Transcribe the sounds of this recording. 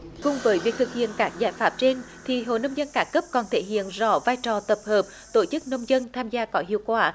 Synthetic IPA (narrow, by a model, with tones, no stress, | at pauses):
kʊ˨˩ŋ͡mvəː˨˦jvi˨˩ət̪ɨ˨˩k̚hḭ˧˨ənkaː˦˥k̚zaː˧˩jfaː˦˥p̚t͡ɕe˧n | t̪ʰi˨˩ɦo̰˧˨nə˧wŋ͡mzə˧nkaː˨˦kə˦˥p̚kɔ˨˩nt̪ʰe˧˩ɦḭ˧˨ənzɔ̰˧˩vaː˧jt͡ɕɔ˨˩t̪ə˨˩p̚həː˨˩p̚ | t̪o˧˩t͡ɕɨ˦˥k̚nə˧wŋ͡mzə˧nt̪ʰaː˧mzaː˧kɔ˨˦ɦḭ˧˨əwkwaː˧˩